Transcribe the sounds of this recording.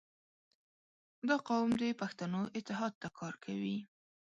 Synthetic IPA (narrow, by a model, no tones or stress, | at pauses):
d̪ɑqawmd̪epaxt̪anoʔɪt̪ːɪɦɑd̪̚t̪akʰɑɾkʰawi